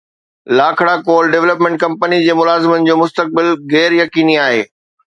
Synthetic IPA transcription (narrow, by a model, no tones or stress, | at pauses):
laːkʰɽakoːlɖeʋləp̬mẽɳʈ̚kɐ̃mpənid͡ʑeːmʊlaːzɪmənɪ̆d͡ʑoːmʊst̪ək̚bɪlɣɛːɾjɐkiːniaːɦeː